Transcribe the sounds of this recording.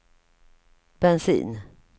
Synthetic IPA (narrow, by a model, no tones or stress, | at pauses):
b̥ɛnsḭːn